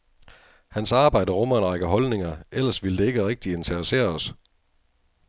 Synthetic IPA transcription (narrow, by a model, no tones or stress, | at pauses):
hænsɑ̈ːb̥ɑ̈ɪ̰d̥əʁɔm̰ɐnʁɑɡ̥əɦɒ̽lne̝ŋɐel̰ɐsʋiləd̥e̝e̝ɡ̥əʁeɡ̥̚d̥ie̝nt͡sʰɐʁɐse̝̰ːɐɒs